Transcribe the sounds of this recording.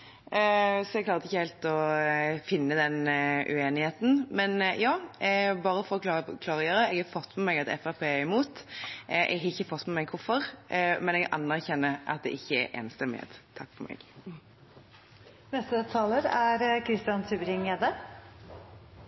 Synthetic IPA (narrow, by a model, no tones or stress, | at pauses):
sɔɛɡ̚kʰlɑːɾt̪ɪçːəhɛːlt̪ɔfɪnːəd̪ɛnʔʉ̰eːnɪheːt̪n̩mɛnjɑːbɑːɾəfɔɾɔk̪ɑkʰlɑːɾɔjøːɾəɛɡhɑɾfɔt̪ːmɛmɛɡɑt̪ɛ̰fæɑpʰeːɪmuːt̪ʔʔɛ̰ɡhɑɾɪçːəfɔt̪ːmɛmɛɡkʰʊɾfɔɾmɛnɛɡʔɑ̰nːæʁçɛnːəʔɑ̰t̪̚d̪ɛ̰ʔɪçːəɛ̰ɾʔɛ̰ːnst̪ɛmɪḛt̪t̪ʰɑkːfɔmʔɛ̰ːɡ | nɛst̪ət̪ʰɑːləɾæɾkʰɾɪst̪ɪɑnsʰʉːbəɾɪŋeːd̪ə